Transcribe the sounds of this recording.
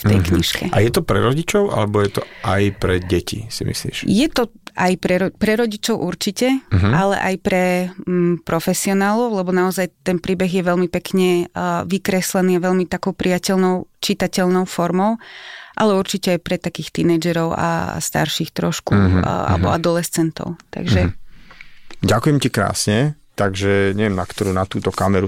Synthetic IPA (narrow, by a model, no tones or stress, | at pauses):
ft̪ɛ̰jkɲiʃkɛ̰ʔa̰jɛt̪ɔpɾɛ̰ɾɔɟit͡ʃɔʊa̰lɛbɔjɛt̪ɔʔajpɾɛɟɛcḭsimḭslḭːʃjɛt̪ɔʔajpɾɛɾɔpɾɛɾɔɟit͡ʃɔʊʔuɾt͡ʃicɛɦalɛ̰ʔajpɾɛ | pɾɔfɛsiɔnaːlɔʊlɛbɔnaɔzajt̪ɛnpɾiːbɛɣjɛʋɛlmipɛkɲɛʋikɾɛslɛniːaʋɛlmit̪akɔʊpɾijacɛlnɔʊt͡ʃit̪acɛlnɔʊfɔɾmɔʊʔalɛuɾt͡ʃicɛajpɾɛt̪akiːxt̪inɛːd͡ʒɛɾɔʊa̰st̪a̰ɾʃiːxt̪ɾɔʃkṵa̰lɛbɔ̰ad̪ɔlɛst͡sɛnt̪ɔ̰ʊt̪a̰ɡʒɛ | ɟakujɛmcikɾa̰ːsɲɛ | t̪aɡʒɛɲɛʋjɛmnakt̪ɔɾuːnat̪uːt̪ɔkamɛɾu